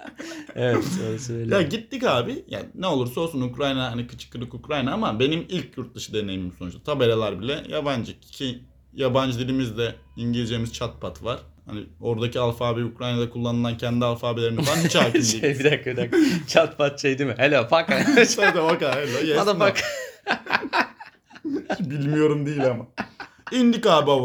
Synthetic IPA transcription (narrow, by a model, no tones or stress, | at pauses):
evɛt̪soɾasɯejaɟit̪ːicaːbija̰nɛo̞lˠuɾso̞lˠsunukɾajnaɦanikʰɯ̥t͡ʃʰɯ̥kʰːɯɾɯkukɾajnaamabe̞nimilʲcʰjuɾt̪̚d̪ɯʃɯd̪e̞nejimimsonut͡ʃt̪ʰḁt̪ʰabe̞ɾelʲæɾbilʲɛjaband͡ʒɯccʰi | jaband͡ʒd̪iɾimizd̪ɛ | iɲɟilʲd͡ʒemiz̥t͡ʃʰat̪̚pʰat̪ʰvaɾ̥ | ha̰nio̞ɾd̪acialˠfaːbiukɾajnad̪akʰulˠːanɯlˠancʰɛnd̪ialˠfaːbilʲe̞ɾinflˠanit͡ʃaːcild̪iebid̪akbd̪akt͡ʃʰat̪pʰat̪̚t͡ʃʰejd̪imɪhelʲofakaad̪afakaɦelʲojead̪aak | bilʲmijo̞ɾumd̪iilʲama | ind̪ikaːba